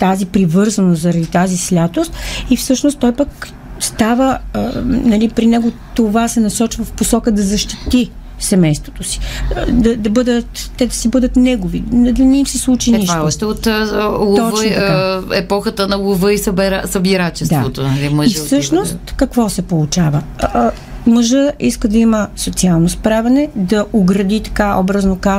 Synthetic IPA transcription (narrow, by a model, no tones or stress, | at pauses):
t̪azipɾivɤɾzɐnost̪zɐɾɐd̪it̪azislʲat̪ost̪ifsɤʃnost̪ːɔjpək | st̪avə | nɐlipɾinɛɡot̪ovasɛnɐsɔt͡ʃvəfposɔkəd̪ɐzɐʃt̪it̪i | sɛmɛjst̪vo̥t̪osi̥d̪ɐd̪ɐbɤd̪ət̪ːɛd̪ɐsibɤd̪ət̪nɛɡovind̪ɐnɛimsislˠut͡ʃiniʃaʃt̪ɛot̪lˠot̪ɔəaɛpɔxət̪ənɐlˠovəissəbiɾat͡ʃɛsd̪avot̪onɐliməʒifsɤʃnost̪kɐkvɔsɛpolˠut͡ʃavə | məʒəiskəd̪ɐiməsot̪sialˠnospɾavɐnɛd̪ɐʔoɡɾɐd̪it̪ɐ̥kaɔ̰bɾɐznoka